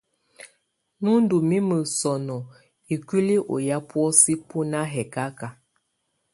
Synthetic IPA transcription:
nu˦n˦du˨mi˦mə˨sɔ˨nɔ˨ | i˨ki˦li˦ʔo̰˨ja˦pwɔ˦si˦pu˦na˦ɦɛ˨ka˦ka˨

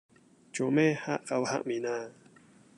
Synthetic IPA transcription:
t͡ʃo˨me˦ha˦ʔka˧wha̰˦˨ʔmi˨na˦˨

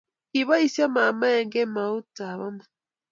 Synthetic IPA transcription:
ki˨βa˦i˨sja˦ma˨ma˦e˨ŋɡe˦ma˨u˦ta˨βa˦ma˨

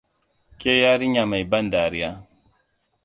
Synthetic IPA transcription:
kʲe˦jaː˦ɾɪ˦ɲja˨ma˨jbɐ˦ndaː˨ɾɪ˦jaː˦

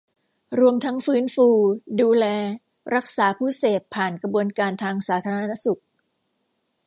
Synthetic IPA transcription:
ɾu˧əmt̪ʰa˦˥ŋfɯː˦˥nfuː˧duː˧lɛː˧ | ɾa˦˥k̚saː˩˦pʰuː˥˩seː˨˩pʰːaː˨˩nkɾa˧bu˧ənkaː˧nt̪ʰaː˧ŋsaː˩˦t̪ʰaː˧a˧˥na˦˥su˨˩k̚

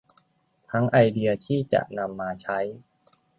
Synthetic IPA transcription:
t̪ʰa˦˥ŋʔa˧jdi˧ɐt̪ʰiː˥˩t͡ɕa̰˨˩ʔna˧mːaː˧t͡ɕʰa˦˥j

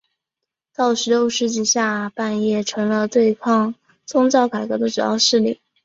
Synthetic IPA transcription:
t̪ɑ˥˩ʊʂɻ̩˧˥jo˥˧ʊʂɻ̩˥˧t͡ɕi˥˧ɕja˥˧pa˥˧njɛ˥˩ʈ͡ʂʰɤ˧˥ŋlə˧t̪we˥˧ɪkʰɑ˥˧ŋ | t͡sʊ˥˧ŋt͡sɑ˥˩ʊka˨˩ɪkɤ˧˥d̪ə˧˩ʈ͡ʂu˨˩jɑ̰˥˧ʊʂɻ̩˥˩lḭ˥˩˦

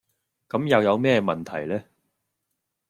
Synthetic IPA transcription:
kɐ˨˥mjɐ˨wjɐ˨˧wmɛː˥mɐ˨nt̪ʰɐ˨˩jlɛː˥

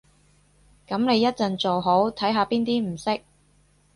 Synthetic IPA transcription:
kɐ˨˥mne˨˧jːɐ˥t̚t͡sɐ˨nt͡so˨wɦo˨˥wt̪ʰɐ˨˥jɦaː˧piː˥nt̪iː˥m̩˨˩sɪ˥k̚

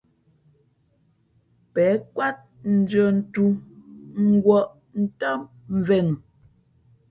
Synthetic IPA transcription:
pɛ˨˦kwa˦t̚ | n̩˨d͡ʒɔ˨n̩˦tu˦ŋ̩˦ɡwɔ˦˨ʔ | n̩˦ta˦m | ɱ̩˨vɛ˨ŋ˨

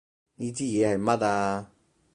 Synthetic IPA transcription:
jiː˧t͡siː˥jɛː˨˧hɐ˨jmɐ˦˥taː˧

